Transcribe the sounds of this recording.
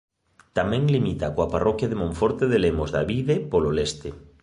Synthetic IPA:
t̪amẽŋlimit̪akoaparʔokjaðemõɱfoɾt̪eðelemozða̰βiðepololest̪e

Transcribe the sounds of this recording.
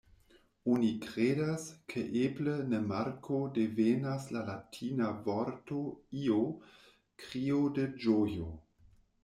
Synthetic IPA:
onikɾedaskʰeʔeblenemaɾkʰodevenaslalatʰinavoɾtoio | kɾioded͡ʒojo

